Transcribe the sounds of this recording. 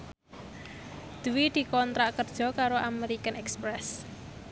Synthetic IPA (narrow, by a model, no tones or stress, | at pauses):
d̪̥uwid̪̥i̤kɔnt̪ɾaʔkərd̥ʒ̥ɔ̤kaɾoʔameɾikənɛkspɾɛs